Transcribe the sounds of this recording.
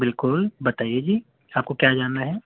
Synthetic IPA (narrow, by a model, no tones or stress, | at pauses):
bɪlkʊlbɐt̪aːied͡ʒiː | aːp̚kokjaːd͡ʒaːnːaɦɛː